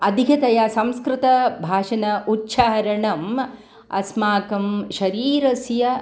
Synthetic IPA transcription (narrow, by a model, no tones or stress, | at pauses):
ɐd̪ʱikʰɐt̪ɐjasɐmskɾɪt̪ɐbʱaːʃɐnɐʔutːʃaːɐɾɐɳɐm | ɐ̰smaːkɐmʃɐɾiːɾɐsjɐ